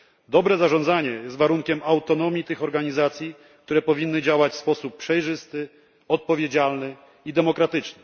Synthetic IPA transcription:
d̪ɔbɾɛzaʐɔ̃nd̪zaɲɛjɛst̪vaɾuŋkʲɛmawt̪ɔnɔmʲit̪ɘxɔɾɡaɲizat̪sʲji | kt̪uɾɛpɔvʲinːɘd͡ʑawat͡ɕfspɔsupːʂɛjʐɘst̪ɘ | ɔt̪̚pɔvʲjed͡ʑalnɘ | id̪ɛmɔkɾat̪ɘt͡ʂnɘ̥

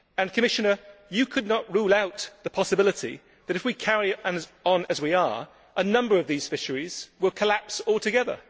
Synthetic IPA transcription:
ɨ̃nkʰəmɪʃɨnə˞jɨkʰɨdⁿnəʔ̚ɹuːlaʊt̪ðəpʰɑsəbɪlətḭ | ðɨɾɨfwikʰɛɹiə̃nə̃nəzwiə˞ | ʔənʌ̃mbə˞ʌvðiːz̥fɪʃəɹiz̥wɪlˠkʰəlæpsɔːlˠtʰɨɡɛðə̰˞

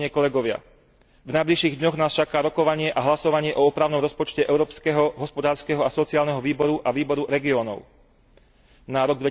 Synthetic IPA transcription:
ɲɪɛkɔlɛɡɔʋɪa̰ | vnajbliʃiːɣd̪ɲɔɣnaːst͡ʃakaːɾɔkɔʋaɲɪɛʔaɦlasɔʋaɲɪɛʔɔɔpɾaːʊnɔmɾɔspɔt͡ʃcɛʔɛʊɾɔːpskɛɦɔɦɔspɔd̪aːɾskɛɦɔasɔt͡siaːlnɛɦɔʋiːbɔɾuʔaʋiːbɔɾuɾɛɡiɔːnɔ̰ʊ | naɾɔɡ̚d̪ʋɛ

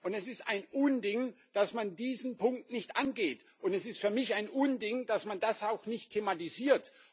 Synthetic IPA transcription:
ʔʊntɛsɪstaɪnʔʊndɪŋ | d̥asmandiːzn̩pʰʊŋk̚tnɪçtʔanɡeːtʔʊntɛsɪstfyːɐmɪçaɪnʔʊndɪŋd̥asmandasaʊxnɪçtʰːeːmatiziːɐt

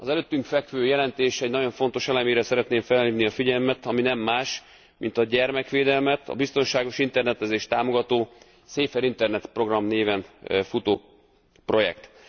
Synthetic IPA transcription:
ɒzɛløt̪ːyŋkfɛkʋøːjɛlɛnt̪eːʃɛɟnɒɟo̞ɱfo̞n̪t̪o̞ʃɛlɛmeːɾɛsɛɾɛt̪neːɱfɛlːiːvniɒfiɟɛlmɛt̪ɒminɛmːaːʃ | mint̪ɒɟɛrmɛkʋeːd̪ɛlmɛt̪ʰɒ̰bist̪o̞nʃaːɡo̞ʃint̪ɛrnɛt̪ɛzeːʃt̪aːmo̞ɡɒt̪oː | seːfɛɾint̪ɛrnɛt̪pro̞ɡrɒmneːvɛnfut̪oː | pro̞jɛ̰kt̪

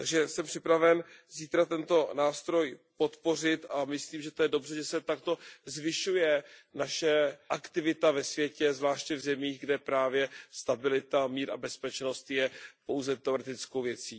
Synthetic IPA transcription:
t̪aɡʒɛsɛmpr̥ɪpɾavɛnziːt̪ɾat̪ɛnt̪o̞naːst̪ɾo̞jpo̞t̪po̞r̝ɪt̪amɪsliːmʒɛt̪ojɛdo̞br̝ɛʒɛsɛt̪akt̪o̞zvɪʃujɛnaʃɛʔakt̪ɪvɪt̪avɛsvjɛcɛzvlaːʃcɛvzɛmiːɣɡdɛpɾaːvjɛst̪abɪlɪt̪amiːɾa̰bɛspɛt͡ʃno̞st̪jɛpo̞wzɛt̪ɛoɾɛt̪ɪt͡skowvjɛt͡siː

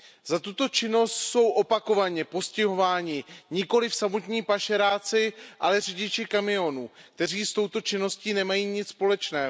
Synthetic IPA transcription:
zat̪ut̪o̞t͡ʃɪno̞st̪so̞wʔo̞pako̞vaɲɛpo̞scɪɦo̞vaːɲɪɲɪko̞lɪfsamo̞t̪ɲiːpaʃɛɾaːt͡sɪʔalɛrɪɟɪt͡ʃɪkamɪo̞nuːk̚t̪ɛr̝iːst̪o̞wt̪o̞t͡ʃɪno̞sciːnɛmajiːɲɪt͡sspo̞lɛt͡ʃnɛː

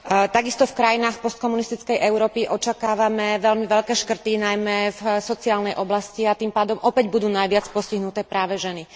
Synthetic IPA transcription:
t̪aɡist̪ɔfkɾajinaːxpɔst̪̚kɔmunist̪it͡skɛjʔɛʊɾɔːpiʔɔt͡ʃakaːʋamɛʋɛʎmiʋɛʎkɛːʃkr̩t̪inajmɛfsɔt͡siaːlnɛjʔɔblasciat̪impaːd̪ɔmʔɔpɛɟbud̪uːnajʋɪat͡spɔsciɦnut̪ɛːpɾaːʋɛʒɛni

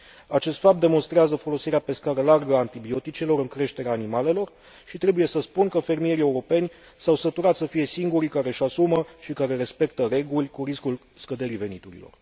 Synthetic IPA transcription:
at͡ʃe̞st̪fap̚t̪d̪e̞mo̞nst̪ɾeazəfo̞lo̞siɾeape̞skaɾəlarɡəant̪ibio̞t̪it͡ʃe̞lo̞ɾɨŋkɾe̞ʃt̪e̞ɾeaːnimale̞lo̞r | ʃit̪ɾe̞buje̞səspunkəfe̞rmije̞ɾie̞uɾo̞pe̞nʲ | sawsət̪uɾat̪səfije̞siŋɡuɾikaɾe̞ʃasuməʃikaɾe̞ɾe̞spe̞kt̪əɾe̞ɡulʲkuɾiskul | skəd̪eɾive̞nit̪uɾḭlo̰r

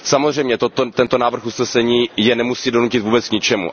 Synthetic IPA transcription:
samozr̝ɛjmɲɛt̪ot̪ot̪ɛnt̪o̞naːvr̩xusnɛsɛɲiːjɛnɛmusiːdo̞nucɪt̪vuːbɛt͡skɲɪt͡ʃɛmṵ

